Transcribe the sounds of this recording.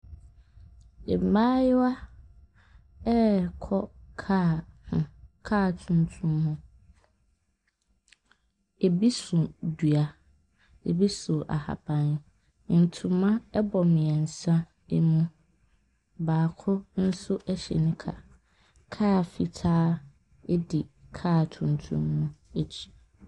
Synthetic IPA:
e˨maː˦jɪ˦wa˦ | ɛ˦kʰɔ˦kʰa˦hʊ̃˨kʰaː˦˨tʰũ˨ntʰũ˦mhʊ̃˦ | e˨bi˦sũ˨du˨a˨ | ḛ˨bi˦sʊ˨ʔa̰˨ha̰˨bã˨n | n̩˨tʰũ˨mã˦ɛ˦bɔ˨mɪ̃˨ɛ˨n̩˨sã˦ | e˨mũ˦ | baː˨kʰʊ˦n̩˦sʊ˦ʔɛ˦ɕɛ̰˨nʊ̃˦kʰa̰˨ | kʰaː˦˨fi˨tʰaː˦ | ɛ˦di˨kʰaː˦˨tʰũ˨ntʰṵ̃˦mːũ˦e˦t͡ɕʰi̥˨

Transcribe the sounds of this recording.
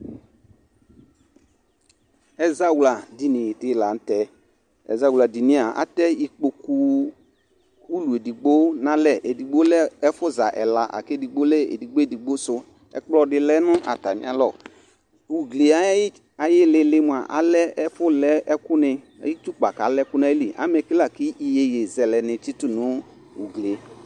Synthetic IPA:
ɛ˦za˦wla˨di˨nɪ˨dɪ˨la˨n̩˦tɛ˨˦ | ɛ̰˨za˨wu˨la˨di˨nĩ˦˨a˨a̰˨˦tɛ˦i˦k͡po˧ku˦ | u˦lu˨e˨di˨ɡ͡bo˦nã˦lɛ˨ʔe˨di˨ɡ͡bo˦lɛ˦ɛ˦fʊ˦za˨ʔɛ̰˨la˨ʔa̰˨ke˦di˨ɡ͡bo˦lɛ˦˨ḛ˨di˨ɡ͡bo˦e˨di˨ɡ͡bo˦sʊ˧ | ɛ̰˨k͡plɔ˦dɪ˧lɛ˦nʊ˦ʔa̰˨ta˨mɪ̰˦a˦lɔ˨ | u˨ɡle˨a˦ | a˨jɪ˦lɪ˨˦lɪ˦mu˨a˨ʔa̰˨˦lɛ˦ɛ˦fʊ˦lɛ˦ɛ˦kʊ˦nɪ˧ | a˨ji˦t͡ʃu˦k͡pa˨ka˨˦lɛ˦kʊ˦n˦a˦i˦li˨ʔa̰˨˦mɛ˨ki˦la˨kɪ˦ʔi˦je˧je˨zɛ˨lɛ˨nɪ˨t͡ʃi˦tu˦˨nʊ˨˦ | u˨ɡle˨˦

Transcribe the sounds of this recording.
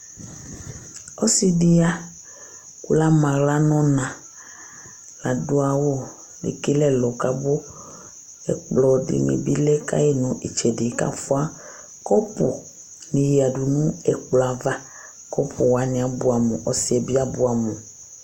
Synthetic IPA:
ɔ˦si˦di˦a˦ | ku˦la˦mã˨ɣla˦nɔ̃˦nã˨ | la˨dʊ˦a˨wo˦ | lḛ˨ki˦lɛ˦lɔ˨ka˦bʊ˦ | ɛ̰˨k͡plɔ˨dɪ̰˨mḭ̃˨bi˦lɛ˦ka̰˦je˦nũ˨ʔi˨t͡ʃɛ˨dɪ˨˦ka̰˦fʊ˦a˦ | kɔ˦pṵ˨ | nĩ˨ji˨a˨du˨nũ˦ɛ˨k͡plɔ˨a˨va˦ | kɔ˦pʰʊ˨wa˨nĩ˨a˨bʊ˦a˨mṵ̃˨ʔɔ˦si˦ɛ˨bi˦a˦bʊ˦a˨mũ˨

